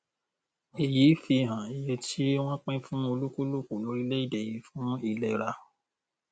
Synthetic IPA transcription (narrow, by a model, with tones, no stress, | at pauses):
i˨jiː˨˦fi˧˨ɦã˨i˨je˧tʰi˦w̃ɔ̃˦k͡pɛ̃˦fũ˦o˧lu˦ku˦lu˦ku˨lo˨˦ɾi˦le˦i˦˨de˨ji˧˦fũ˦i˦˨lɛ˨ɾa˧